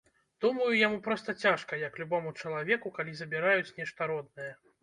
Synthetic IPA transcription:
d̪̥umɐjujamupɾɔst̪ɐt͡sʲaʂkɐjɐklʲubɔmut͡ʂɐlˠavʲɛkukalʲizɐbʲiɾajut͡sʲnʲɛʂt̪ɐɾɔd̪̚nɨjɐ

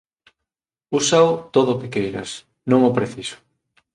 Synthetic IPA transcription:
usaʊt̪oðʊkekejɾɐ̰s | nõŋopɾeθisʊ̥

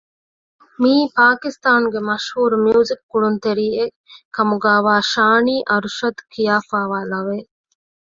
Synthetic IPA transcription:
miːpaːkist̪aːnuɡemɐʃhuːɾumjuːzikːuɭunt̪eɾiːe | kɐmuɡaːʋaːʃaːniːʔɐɾuʃɐd̪kʰijaːfaːʋaːlɐʋeː

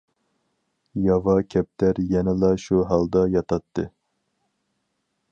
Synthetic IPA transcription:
jɑvɑkʲʰɛp̚t̪ʰæɾjɛnɪlˠɑʃuɦɑlˠd̪ɑjɑt̪ʰɑt̪ʰːɨ

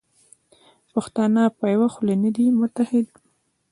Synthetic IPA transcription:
paxt̪ɑnapajwaxlanad̪imʊt̪ahɪd̪

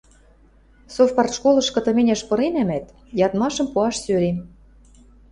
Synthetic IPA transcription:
sofpɑrʃkolɤ̆ʃkɤ̆t̪ɤ̆menʲæʃpɤ̆ɾenæmæt̪ | jɑt̪mɑʃɤ̆mpuɑʃsøɾe

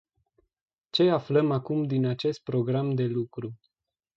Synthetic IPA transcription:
t͡ʃe̞afləmakumd̪inat͡ʃe̞st̪̚pɾo̞ɡɾamd̪e̞lukɾu

